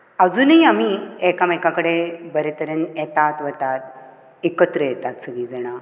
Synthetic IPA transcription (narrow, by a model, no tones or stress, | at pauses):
əd͡zuːnəiam̤iekamekakəɽebəɾet̪əɾənjɛt̪at̪ʋət̪at̪ | ekət̪ɾəjɛt̪at̪səɡid͡zəɽ̃a